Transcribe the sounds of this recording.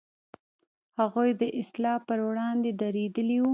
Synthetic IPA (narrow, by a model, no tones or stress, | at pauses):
haɣujd̪əʔɪslɑpəɾwɽɑnd̪eɖaɾed̪əliwu